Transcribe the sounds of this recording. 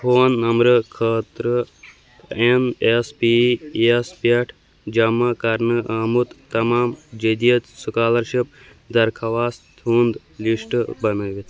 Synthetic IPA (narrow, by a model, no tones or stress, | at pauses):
fʰoːnːɐmɾɨkʰəːt̪ɾɨ | enespiespeʈʰ | d͡ʒɐmːakɐɾnɨʔaːmut̪t̪ɐmaːmd͡ʒed̪ijɐt̪sukaːlɐɾʃip̚ | d̪ɐɾkʰɐʋaːst̪ʰuːnd̪ | liʂʈbɐnɐʋit̪ʰ